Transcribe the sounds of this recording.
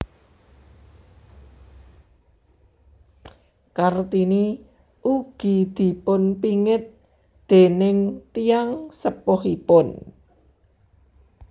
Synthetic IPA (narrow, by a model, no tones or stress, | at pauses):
kart̪ini | ʔuɡ̥i̤d̪̥i̤pʊnpiŋɪt̪̚ | d̪̥e̤nɪŋt̪iaŋsəpɔhipʊn